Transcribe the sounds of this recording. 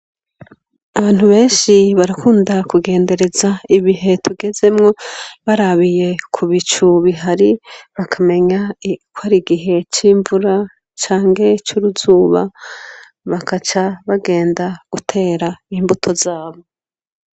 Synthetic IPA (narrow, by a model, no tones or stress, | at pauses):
aβaːn̥huβe̞ːnʃiβaɾakuːndakuɡe̞ːnde̞ɾe̞zaiβiɦe̞tʰuɡe̞ze̞mŋo̞βaɾaβije̞kʰuβit͡ʃuβiɦaɾiβakʰame̞ɲakwaɾiɡiɦe̞t͡ʃiːɱvuɾa | t͡ʃaːŋɡe̞t͡ʃuɾuzuːβa̰ | βakʰat͡ʃaβaɡe̞ːndaɡ̥utʰe̞ːɾaimbutʰo̞zaːβo̞